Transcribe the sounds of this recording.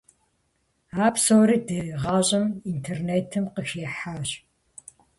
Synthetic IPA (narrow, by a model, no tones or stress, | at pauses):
aːpsowɾiːdɨriʁɑːɕʼɐmintʰerneːtʰɨmqəxjɛħaːɕ